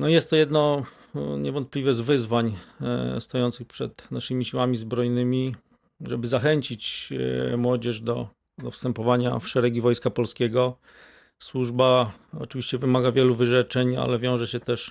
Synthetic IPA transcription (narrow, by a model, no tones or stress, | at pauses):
nɔjɛst̪ːɔjɛd̪nɔ | ɲɛvɔnt̪̚plʲivɛzvɘzvaɲ | st̪ɔjɔnt̪sɘxpʂɛ̰t̪naʂɘmʲiɕiwamʲizbɾɔjnɘmʲi | ʐɛbɘzaxɛɲt͡ɕit͡ɕ | mwɔd͡ʑɛʂd̪ɔ | d̪ɔfst̪ɛmpɔvaɲa̰fʂɛɾɛɡʲivɔjskapɔlskʲeɡɔ | swuʐba | ɔ̰t͡ʂɘvʲiɕt͡ɕɛvɘmaɡavʲjɛluvɘʐɛt͡ʂɛɲa̰lɛvʲjɔ̃w̃ʐɛɕɛt̪ɛʂ